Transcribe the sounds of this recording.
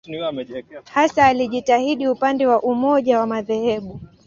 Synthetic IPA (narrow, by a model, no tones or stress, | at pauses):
hasaːliʄitahiɗiupandɛwaʔumɔʄawamaðɛhɛɓu